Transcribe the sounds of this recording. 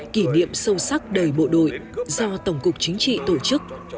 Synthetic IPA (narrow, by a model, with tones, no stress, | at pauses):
ki˧˩nḭ˧˨əmsə˧wsa˦˥k̚ɗə˨˩jɓo̰˧˨ɗo̰˧˨jzɔ˧t̪ə˧˩wŋ͡mkʊ˨˩k̚t͡ɕï˨˦ŋ̟t͡ɕḭ˧˨t̪o˧˩t͡ɕɨ˦˥k̚